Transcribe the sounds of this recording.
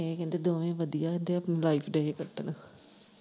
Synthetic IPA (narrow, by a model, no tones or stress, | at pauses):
ekɛ̃ːnd̪eːd̪oːʋẽːʋəd̪ijaːkɛ̃ːnd̪eːəpnẽlaːipʰɖeːekəʈːna